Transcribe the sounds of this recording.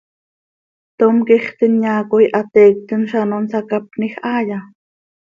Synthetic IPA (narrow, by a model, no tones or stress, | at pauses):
t̪omkiχt̪inɲaːkojʔat̪eːk̚t̪ənʃanonsakapnixʔaːja